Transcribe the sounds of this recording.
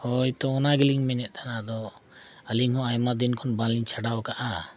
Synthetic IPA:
hɔjt̪ɔɔnaɡiliŋmɛnɛʔ̪̚t̪ʰanad̪ɔ | əliŋhɔ̃ajmad̪inkʰɔnbaliɲt͡ʃʰaɖawkaʔa

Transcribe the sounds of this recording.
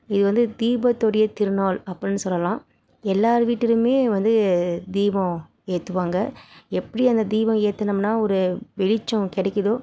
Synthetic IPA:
ɪðɯʋɐnd̪ɯd̪iːbɐt̪ːɔɽɪjɐt̪ɪɾɯnaːɭɐpːɐɽɪnːɯsɔlːɐlãː | ɛlːaːɾɯʋiːʈːɪɾɯmeːʋɐnd̪ɯd̪iːʋɔ̃ | eːt̪ːɯʋaːŋɡɐɛpːɐɽiɐnd̪ɐd̪iːbɐ̃eːt̪ːɐnɐmnaːɔɾɯʋɛɻɪt͡ʃːɔ̃kɪɽɛkːɐðoː

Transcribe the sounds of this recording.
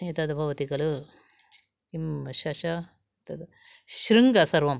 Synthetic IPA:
it̪ɐd̪ɐbʱɐʋɐt̪ikɐlɯ | kimɕaɕa | t̪ɐd̪ | ɕɾiŋɡasɐɾʋɐm

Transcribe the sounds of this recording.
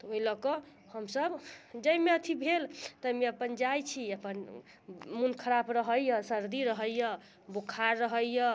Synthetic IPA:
t̪ɔoɦilɔkɔ | həmsəbd͡ʒəjmeət̪ʰibʱelt̪əmeəpənd͡ʒajt͡ʃʰiəpən | munkʰəɾabɾəɦəjjəsəɾd̪iɾəɦəjjə | bukʰaɾːəɦəjjə

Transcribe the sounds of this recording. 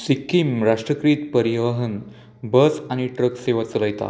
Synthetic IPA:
sikːimɾaʂʈɾəkɾiːt̪pəɾiʋəɦən | bəsaɽ̃iʈɾəkseʋat͡sləjt̪a̰

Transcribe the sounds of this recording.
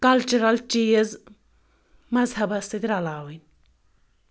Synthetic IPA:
kɐlt͡ʃuɾɐlt͡ʃiːz | mɐzhɐbɐst̪ɐt̪iɾɐlaːwɐn

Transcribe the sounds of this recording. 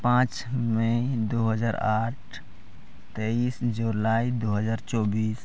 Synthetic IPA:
pãːt͡ʃ | məd̪oɦəd͡ʒaːɾaʈ̚ʰ | t̪eisd͡ʒulaid̪oɦəd͡ʒaːɾt͡ʃɔbiːs

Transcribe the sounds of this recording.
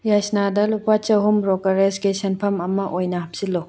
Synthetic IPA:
jajsnadɐlupat͡ʃɐwɦumɾɔkɐɾesɡesenpʰɐmɐmɐʔojnɐɦɐp̚silɔ

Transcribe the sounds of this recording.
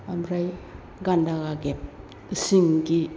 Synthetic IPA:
amɾaj | ɡandaɡaɡep̚ | isiŋɡi

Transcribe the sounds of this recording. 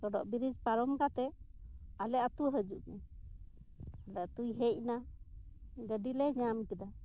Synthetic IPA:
ɾɔɖɔ̰ʔbiɾid͡ʒpaɾɔmkat̪ɛ | alɛʔat̪uɦəd͡ʒuʔnɛ | alɛat̪ujɦɛc̚na | ɡəɖilɛɲamkɛd̪a

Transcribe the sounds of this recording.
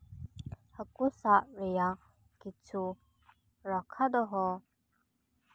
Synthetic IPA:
həkusaʔɾɛja | kit͡sʰu | ɾɔkʰad̪ɔɦɔ

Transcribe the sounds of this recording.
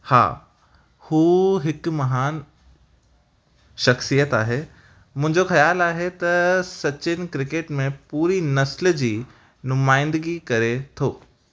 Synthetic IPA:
ha̰ː | huːɦɪkmɐɦaːn | ʃɐxsijət̪aːɦe | mʊ̃ɦɪ̃ɲd͡ʑoxɐjaːlaːɦet̪ɐsɐt͡ɕɪnɪ̆kɾɪkeːʈmẽpuːɾinɐsl̆d͡ʑiː | nʊmaːɪ̃nd̪əɡikɐɾet̪ʰoː

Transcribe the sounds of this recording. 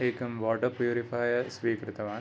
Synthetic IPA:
eːkɐmʋɔːʈɐpjuːɾifaːjɐsʋiːkɾɨt̪ɐʋaː

